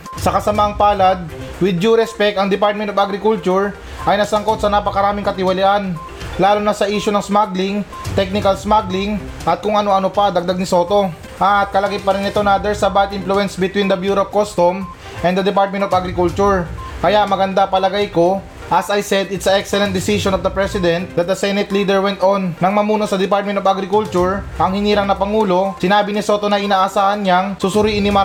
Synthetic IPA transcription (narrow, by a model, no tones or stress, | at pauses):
sɐkɐsɐmaɐŋpaːlɐd̪̚ | wɪd̪̚d͡ʒuɾɛspɛk̚t̪ɐŋd̪ɪpaɹt̪mɛnt̪ovaɡɾɪkult͡ʃʊɹ | ʔɐjnɐsɐŋko̞t̪sɐnapɐkɐɾaːmɪŋkɐt̪ɪwɐlɪʔan | laːlonɐsɐʔiːʃonɐŋsmaɡlɪŋ | t̪ɛk̚nɪkɐlsmaɡlɪŋ | ʔɐt̪̚kʊŋɐno̞ɐno̞pɐd̪ɐɡ̚d̪aɡ̚nɪso̞ːt̪o̞ | ʔɐt̪̚kɐlɐɡajpɐɾɪnɪt̪onad̪ɛɹsɐbat̪ʔɪ̃nfluɛnsbɪt̪wind̪ɐbjuːɾop̚kost̪om | ʔɛ̃nd̪ɐd̪ɪpaɹt̪̚mɛ̃nt̪ovaɡɾɪkult͡ʃʊɹkɐjaʔmɐɡɐnd̪apɐlɐɡajko̞ | ʔɐsɐjsɛd̪ɪt̪sɐʔɛksɛlɛnt̪̚d̪ɪsiʃonɔfd̪ɐpɹɛsɪd̪ɛnt̪̚d̪ɐt̪̚d̪ɐsɛnɛt̪liːd̪ɛɹwɛnt̪ʔonːɐŋmɐmuːno̞sɐd̪ɛpaɹt̪̚mɛnt̪ovaɡɾɪkult͡ʃʊɹʔɐŋhɪniːɾɐŋnɐpɐŋuːlo̞sɪnaːbɪnɪso̞t̪o̞nɐʔɪnaːʔɐsaːhɐnɲaŋsusʊɾiːʔɪnːɪma